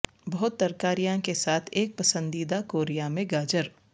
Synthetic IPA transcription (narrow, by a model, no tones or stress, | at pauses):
bɐɦʊt̪ːɐɾkaːɾijãkesaːt̪ʰeːk̚pɐsə̃nd̪iːd̪akoːɾijamẽɡaːd͡ʒəɾ